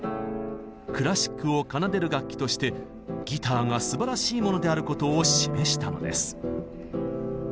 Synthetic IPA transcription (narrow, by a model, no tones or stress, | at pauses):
kɯ̟ɾaɕi̥kːɯ̟o̞kanad̪e̞ɾɯ̟ɡakʲːi̥t̪o̞ɕi̥t̪e̞ | ɡʲit̪aːŋasɨbaɾaɕiːmo̞no̞d̪e̞aɾɯ̟ko̞t̪o̞ːɕime̞ɕi̥t̪ano̞̰d̪e̞̰sɨ̥